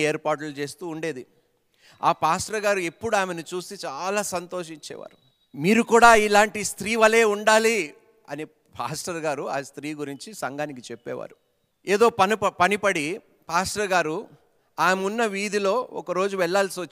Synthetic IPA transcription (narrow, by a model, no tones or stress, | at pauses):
eːɾpaːʈ̬ulut͡ʃe̞ːst̪uːɳɖe̞ːd̪i | a̰ːpaːsʈɾɐɡaːɾue̞pːuɽuaːmenut͡ʃuːsit͡ʃaːlaːsɐnt̪o̞ːʃ̬iɲt͡ʃɛ̰ːʋa̰ːɾu | miːɾukuːɽaːilaːɳʈist̪ɾiːʋɐle̞ːuɳɖaːli | ɐ̰ni | pʰa̰ːsʈɐɾɡaːɾuaːst̪ɾiːɡuɾiɲt͡ʃisɐŋɡaːnikit͡ʃɛpːɛ̰ːʋa̰ːɾu | eːd̪o̞ːpɐpɐnipɐɽi | paːsʈɾɐɡaːɾu | aːmunːɐʋiːd̪ilo̞ːɔ̰kɐɾo̞ːd͡ʒuʋɛɭːaːlsiʋot͡ʃː